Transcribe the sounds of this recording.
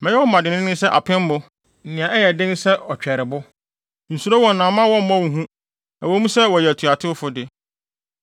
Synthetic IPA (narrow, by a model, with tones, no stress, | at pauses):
mɛ̃˨˦jɛ˦wɔ˦m̩˦ma˨dɪ˨nɪ̃˦nɪ̃˦sɛ˦ʔa̰˨pʰɛ̃˦m˦mʊ̃˦ | n̩˨nɪ̃˨ã˨ʔɛ˦jɛ˨dɪ̃˦n˦sɛ˦ɔ˨t͡ɕᶣɛ˨ɾɪ˨bʊ˦ | n̩˨su˨ɾo˦wɔ̃˨n̩˨nã˨mã˦wɔ̃˦m̩˦mã˦wu˨ɦũ˦ | a˨wɔ˦mũ˦sɛ˦wɔ˨jɛ˨tʰu˨a˨tʰɪ˦ʊ˦fʊ˦dɪ˨